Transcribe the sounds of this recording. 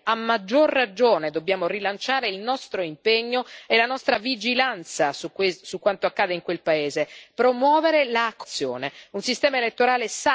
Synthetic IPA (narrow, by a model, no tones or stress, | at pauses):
amːad͡ʒːorːad͡ʒoːned̪obːjaːmorilant͡ʃaːɾeilnɔst̪ɾoimpeɲːoelanɔst̪ɾavid͡ʒilant̪sasukwesukːwant̪oakːaːd̪eiŋkwelpaeːzepɾomwɔːveɾelakːt̪sːjo̰ːneunsist̪ɛːmaelet̪ːoɾaːlesa